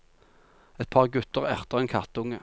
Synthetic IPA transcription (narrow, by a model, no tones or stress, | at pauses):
ɛt̪̚pʰɑːʁɡʉt̪əʁæʁt̪əʁeːnkʰɑt̪ʊŋə